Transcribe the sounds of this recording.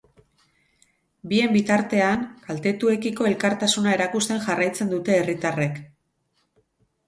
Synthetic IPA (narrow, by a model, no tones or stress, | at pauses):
bie̞mbit̪aɾt̪e̞aŋkalt̪e̞t̪ue̞kiko̞e̞lkaɾt̪asunae̞ɾakust̪e̞ŋʝarajt͡se̞nd̪ut̪e̞ːrit̪are̞k